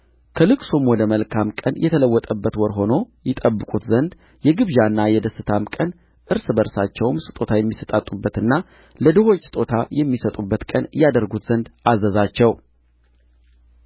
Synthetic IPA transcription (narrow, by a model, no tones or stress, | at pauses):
kʰəlɨkʼsomwɔd̪əməlkʰamkʼənjɛt̪ʰələwːɔt̪ʼəbːət̪wɔɾɦo̞no̞ | jɛt̪ʼəbːɨkʼut̪zənd̪ | jɛɡɨβʒanːajɛd̪əsːɨt̪ʰamkʼən | ʔɨɾsɨbəɾsat͡ʃːɛwmsɨ̥t̪ʼo̞t̪ʰajɛmːisət̪ʼat̪ʼːubːət̪ɨnːa | ləd̪ɨɦo̞t͡ʃːsɨ̥t̪ʼo̞t̪ʰajɛmːisət̪ʼubːət̪kʼənɨjad̪əɾɡut̪z̥ənd̪azəzat͡ʃːɛw